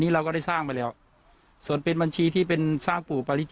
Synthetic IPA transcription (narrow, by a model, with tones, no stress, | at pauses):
niː˦˥˩ɾa˧wkɔː˥˩da˥˩jsaː˥˩ŋpa˧jlɛː˦˥˩w | su˨˩ənpe˧nba˧nt͡ɕʰiː˧t̪ʰiː˥˩pe˧nsaː˥˩ŋpuː˨˩pa˧li˦˥t͡ɕ